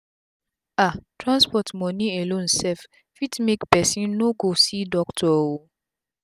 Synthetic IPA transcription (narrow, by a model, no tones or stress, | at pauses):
atʰɹãnspɔtmɔnĩelõnsɛf | fitmekpɛsĩnːoɡosidɔktʰɔwo